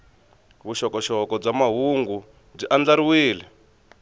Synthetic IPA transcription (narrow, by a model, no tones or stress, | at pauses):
βuʃɔkɔʃɔkɔb͡ʐamaɦuŋɡu | b͡ʐiʔand͡ɮaɾiwiːlɛ